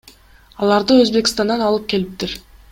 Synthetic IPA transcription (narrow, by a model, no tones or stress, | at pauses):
ɑlˠɑɾd̪ɯøzbe̞kst̪ɑnd̪ɑnɑlˠɯp̚ke̞lip̚t̪iɾ